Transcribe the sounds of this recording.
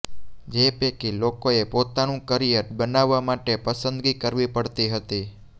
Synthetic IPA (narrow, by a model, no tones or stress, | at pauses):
d͡ʒepekilokoepot̪anũkəɾijət̪bənaʋːamaʈepəsənd̪ɡikəɾʋipəɽt̪iɦət̪i